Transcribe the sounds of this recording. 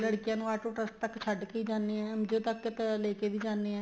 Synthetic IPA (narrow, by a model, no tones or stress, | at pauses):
ləɽkɪjãːnũːaːʈoːʈəst̪əkt͡ʃʰəɖkiːd͡ʒãːnːeːɛ̃ːəmd͡ʒoːt̪əkːt̪leːkeːʋiːd͡ʒaːnːeːɛ̃ː